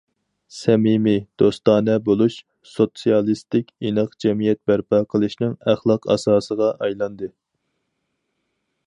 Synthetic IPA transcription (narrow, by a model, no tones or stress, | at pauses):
sɛmimid̪̥ost̪ɑːnɛbolˠuʃ | sot̪sijɑlˠist̪ɪkʲinɨqd͡ʒɛmijɛt̪̚bæɾpʰɑqʰəlˠɨʃnɨŋæχlˠɑqɑ̰sɑːsəʁɑʔɑjlˠɑnd̪ɨ